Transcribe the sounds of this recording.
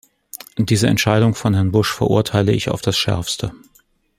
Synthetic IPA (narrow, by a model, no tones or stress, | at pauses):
d̥iːzəɛ̰ntʃaɪɾʊŋfɔnɦɛɐnbʊʃfɛɐʔʊɐtʰaɪləɪça̰ʊfd̥asʃɛ̰ɐfstʰə